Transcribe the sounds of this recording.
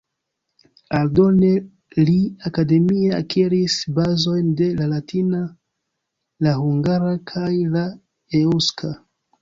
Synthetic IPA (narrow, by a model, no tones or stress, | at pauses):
aldo̞ne̞ | liakade̞mieakeɾisbazo̞jnde̞lalatʰina | lahuŋɡaɾakʰajla | euskʰa